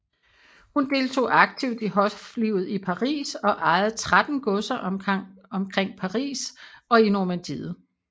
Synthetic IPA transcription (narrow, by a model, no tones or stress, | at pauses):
hund̥e̝lt͡sʰo̝̰ːɑ̈ɡ̥̚t͡sʰiʊd̥iɦɒ̽fliʊð̩ˠipʰɑ̈ʁḭːsɒ̽ʔɑ̈ɪð̩ˠt͡sʰʁad̥n̩ɡ̥ɔ̽sɐʔɒ̽mkʰʁeŋ̰pʰɑ̈ʁḭːsɒ̽inoɐmænd̥ið̩ˠ